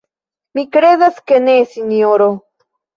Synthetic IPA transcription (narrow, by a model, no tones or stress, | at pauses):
mikɾeðaskenesinjoɾo